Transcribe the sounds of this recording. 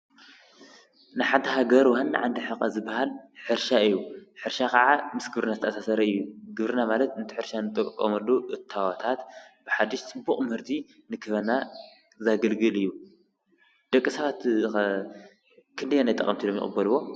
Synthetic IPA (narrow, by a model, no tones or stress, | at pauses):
nɨħat̪ʰːɐɦaɡɐɾwɔhanːa̰ʕand̪ɨħɨqʼɐzɨbːaɦalħɨɾʃaɨjːuħɨɾʃakʰɐʕamɨsɡɨβɾɨnazɨt̪ɐasasɐɾɐɨjːuɡɨβɾɨnamalɐt̪ɨnt̪ʰi̥ħɨɾʃanɨt̪ʼɨkʼːɐ̰mɐlːuʔɨt̪ʰːawat̪ʰat̪bɨħad̪ːiʃt̪ʰɨbuχʼmɨhɨɾt̪ʰi | nɨkʰɨβɐna | zaɡɐlɡɨlɨjːu | d̪̥ɐkʼːisɐβat̪ | kʰɨnd̪ijanajt̪ʼɐχʼɐmt̪ʰilomjɪ̰χʼɨbːɐluwo̞